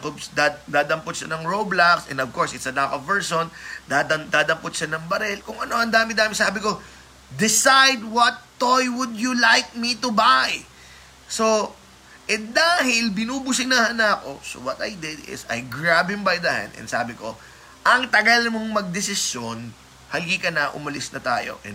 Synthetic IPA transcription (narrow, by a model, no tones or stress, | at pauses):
ɐkobsd̪ad̪aːd̪ɐmpot̪̚ʃɐnɐŋɹoblaksʔɛ̰̃nd̪ɐv̥koɹsɪt̪sɐd̪akovɛɹsond̪ad̪ɐmd̪aːd̪ɐmpʊt̪ʃɐnɐŋbɐɾɛlkʊŋɐno̞ɐnd̪aːmɪd̪aːmɪsaːbɪko̞ | d̪ɪsajd̪̚wɐt̪ːojwʊd̪jʊlajk̚mit̪ʊbaj | so̞ | ʔɛd̪aːɦɪlbɪnuːbʊsɪnahanɐko̞so̰wɐt̪ɐ̰jd̪ɪd̪ɪ̰sɐ̰jɡɹabhɪ̃mbɐjd̪ɐhã̰nd̪ɛ̰nsa̰ːbɪko̞̰ | ʔɐŋt̪ɐɡɐlmoŋmɐɡ̚d̪ɪsɪsjon | hɐlɡiːkɐnɐʔʊ̰mɐlɪsnɐt̪a̰ːjo̞̰ʔɛ̰